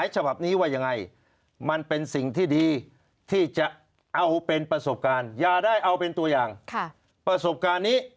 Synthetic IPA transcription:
jt͡ɕʰa˧ba˨˩p̚niː˦˥waː˥˩ja˧ŋːa˧j | ma˧npe˧nsi˨˩ŋt̪ʰiː˥˩diː˧ | t̪ʰiː˥˩t͡ɕa˨˩ʔ | ʔa˧wpe˧npɾa˧so˨˩p̚kaː˧njaː˨˩daː˥˩jʔa˧wpe˧nt̪u˧ɐjaː˨˩ŋkʰ | pɾa˧so˨˩p̚kaː˧nːiː˦˥

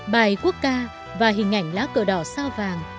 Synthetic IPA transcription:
ɓaː˨˩jku˦˥ək̚kaː˧ | vaː˨˩ɦï˨˩ŋ̟ʔa̰˧˩jŋ̟laː˨˦wkə̰˧˩ɗɔ˧˩saː˧wvaː˨˩ŋ

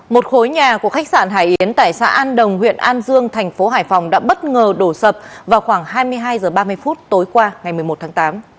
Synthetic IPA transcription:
mo˨˩t̚xo˨˦jɲaː˨˩ku˧˩əxa˦˥k̚sa̰ː˧˩nɦa̰ː˧˩jʔi˨˦ənt̪a̰ː˧˨jsa̰ː˧˥ʔaː˧nɗə˨˩wŋ͡mhwḭ˧˨ənʔaː˧nzɨ˧əŋt̪ʰɛ˨˩jŋ̟fo˨˦ɦaː˧˩jfɔ˨˩wŋ͡mɗa̰ː˧˥ɓə˦˥t̚ŋəː˨˩ɗo˧˩sə˨˩p̚vaː˨˩wxwaː˧˩ŋɦaː˧jmɨ˧əjɦaː˧jzəː˨˩ɓaː˧mɨ˧əjfu˦˥t̚t̪o˨˦jkwaː˧ŋa˨˩jmɨ˨˩əjmo˨˩t̪̚ʰaː˨˦ŋt̪aː˨˦m

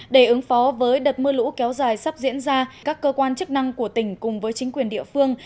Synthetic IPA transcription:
ɗe˧˩ʔɨ˨˦ŋfɔ˨˦vəː˨˦jɗə˨˩t̚mɨ˧lṵ˧˥kɛ˨˦wzaː˨˩jsa˦˥p̚zḭ˧˥ənzaː˧kaː˦˥kːəː˧kwaː˧nt͡ɕɨ˦˥k̚na˧ŋku˧˩ət̪ï˧˩ŋ̟kʊ˨˩ŋ͡mvəː˨˦jt͡ɕï˨˦ŋ̟kwi˨˩ənɗḭ˧˨əfɨ˧əŋ

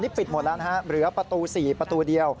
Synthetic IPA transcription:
li˦˥pi˨˩t̪mu˨˩˦t̪laː˦˥nɦa˦˥ɾɯː˨˩˦ɐpɾa˧t̪uː˧siː˨˩pɾa˧t̪uː˧di˧əw

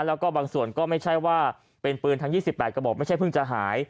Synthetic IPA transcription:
lɛː˦˥wkɔː˥˩baː˧ŋsu˨˩ənkɔː˥˩ma˥˩jt͡ɕʰa˥˩jwaː˥˩ | pe˧npɯː˧nt̪ʰa˦˥ŋjiː˥˩si˨˩pːɛː˨˩t̪̚ka˧bɔː˨˩kma˥˩t͡ɕʰa˥˩pʰɯ˥˩ŋt͡ɕa˨˩ɦaː˩˦j

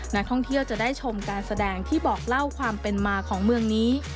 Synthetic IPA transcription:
na˦˥k̚t̪ʰɔ˥˩ŋt̪ʰi˥˩əwt͡ɕa˨˩daː˥˩jt͡ɕʰo˧mkaː˧nsa˧dɛː˧ŋt̪ʰiː˥˩bɔː˨˩k̚la˥˩wkʰwaː˧mpe˧nmaː˧kʰɔː˩˦ŋmɯ˧əŋniː˦˥

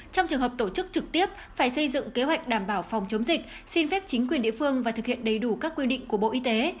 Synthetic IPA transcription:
t͡ɕɔ˧wŋ͡mt͡ɕɨ˨˩əŋɦəː˨˩p̚t̪o˧˩t͡ɕɨ˦˥k̚t͡ɕɨ˨˩k̚t̪i˦˥əp̚faː˧˩jsə˧jzɨ̰˧˨ŋke˨˦ɦwa˨˩jk̚ɗaː˧˩mɓaː˧˩wfɔ˨˩wŋ͡mt͡ɕə˨˦wŋ͡mzï˨˩k̟̚ | si˧nfɛ˦˥p̚t͡ɕï˨˦ŋkwi˨˩ənɗḭ˧˨əfɨ˧əŋvaː˨˩t̪ʰɨ˨˩k̚hḭ˧˨ənɗə˨˩jɗu˧˩kaː˦˥kːwi˧ɗḭ˧˨ŋ̟ku˧˩əɓo̰˧˨ʔi˧t̪e˨˦

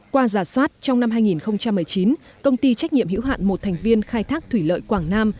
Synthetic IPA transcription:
kwaː˧zaː˨˩swaː˦˥t̚t͡ɕɔ˧wŋ͡mna˧mɦaː˧jŋi˨˩nxə˧wŋ͡mt͡ɕa˧mːɨ˨˩əjt͡ɕi˨˦n | kə˧wŋ͡mt̪i˧t͡ɕa˦˥k̟̚ɲḭ˧˨əmhḭ˧˥wɦa̰ː˧˨nmo˨˩t̚t̪ʰɛ˨˩jŋ̟vi˧ənxaː˧jt̪ʰaː˦˥k̚t̪ʰwi˧˩lə̰ː˧˨jkwaː˧˩ŋnaː˧m

